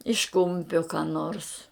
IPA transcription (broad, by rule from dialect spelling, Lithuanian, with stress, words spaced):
ɪʃ ˈkʊmʲpʲoː kɑː noːrs